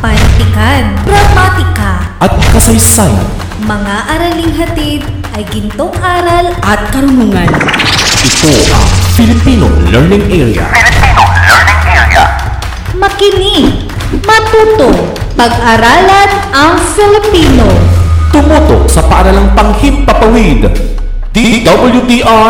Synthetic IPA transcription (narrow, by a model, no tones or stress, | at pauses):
pɐnt̪ɪkand̪ɾɐmat̪ɪkɐʔɐt̪̚kɐsɐjsaja̰n | mɐŋaʔɐɾɐlɪŋɦɐt̪id̪̚ | ʔɐjɡɪnt̪oŋʔaːɾɐlʔɐt̪̚kɐɾʊnuːŋɐnʔɪt̪oʔɐ̰ŋfɪlɪpino̰lɛɹnɪŋʔɛɹḭa̰fɪlɪpinolɛɹnɪŋʔɛɹ̰a̰ | mɐkɪni | mɐt̪uːt̪oŋ | pɐɡ̚ʔɐɾaːlɐnɐŋfɪlɪpiːnot̪ʊmut̪o̰k̚sɐpɐʔɐɾalaŋpɐŋhit̪̚pɐpɐwid̪ | d̪̥id̪ɐbɐljud̪iʔa